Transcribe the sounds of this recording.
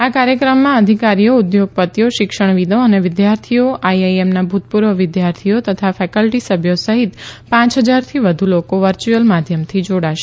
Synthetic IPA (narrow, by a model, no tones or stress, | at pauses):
akaɾjəkɾəmːãəd̪ʱikaɾijoud̪joɡ̚pət̪joʃɪkʃəɳ̃ʋid̪oəneʋɪd̪jaɾt̪ʰijoʔajajemnabʱut̪puɾʋəʋɪd̪jaɾt̪ʰijot̪ət̪ʰafɛkəlʈisəbʱjosəɦit̪pãt͡ʃɦəd͡ʒaɾt̪ʰiʋəd̪ʱulokoʋəɾt͡ʃuəlmad̪ʱjəmt̪ʰid͡ʒoɽaʃe